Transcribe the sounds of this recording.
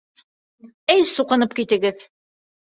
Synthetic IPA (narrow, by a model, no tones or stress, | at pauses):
ɘjsuqɤ̆nɤp̚kit̪ɘ̆ɡɘð